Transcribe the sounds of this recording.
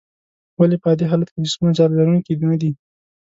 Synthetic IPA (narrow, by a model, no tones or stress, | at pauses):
walepəɑd̪eɦɑlat̪ked͡ʒʊsmunat͡ʃɑɾlaɾunkid̪unad̪i